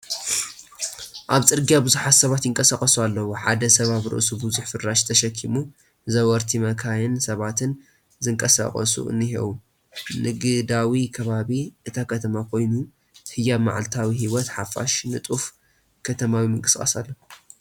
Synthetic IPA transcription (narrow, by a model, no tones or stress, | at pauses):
ʔaβt͡sʼɨɾɡijabɨzuħat̪sɐβat̪jɪŋkʼɐsakʼɐsualːɐwoħad̪ɐsɐβaβɾɨ̰ʔsubɨzuħfɨɾːaʃt̪ʰɐʃɐkʰːimu | zɐwɔɾt̪ʰimɐkʰajɪnsɐβat̪ʰɨn | zɨŋkʼɐsa̰χʼɐ̰sṵɨ̰nːɨhiwu | nɨɡɨd̪awikʰɐβaβiʔɨt̪ʰakʰɐt̪ʰɐmakʰo̞jnu | hɨjama̰ʕa̰lt̪ʰawiɦiwɔt̪ħafa̰ʃnɨt̪ʼuf | kʰɐt̪ʰɐmawimɨŋkʼɨsʼɐ̰sa̰lːɐ